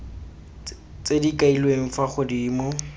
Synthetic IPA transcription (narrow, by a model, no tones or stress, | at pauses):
t͡sedikʼailweŋ̩faχʊdiːmɔ